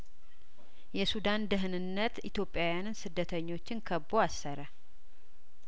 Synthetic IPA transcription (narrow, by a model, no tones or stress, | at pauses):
jɛsud̪and̪ɨɦɨnɨnːət̪it̪ʰjo̞pʼːjawjanɨnsɨd̪ːət̪ʰəɲːo̞t͡ʃːɪnkʰəbːoasːəɾə